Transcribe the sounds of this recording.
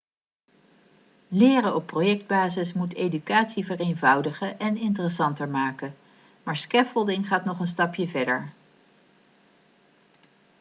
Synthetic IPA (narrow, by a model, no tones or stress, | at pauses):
lɪːrəɔpːrojɛk̚d̚baːzɪsmutʰejdykaːtsivərejnvʌwdəχəʔɛnɪntərəsɑntəɹmaːkə | maːɹskɛfəlˠdɪŋχaːtnɔχənstɑpjəvɛɹdəɹ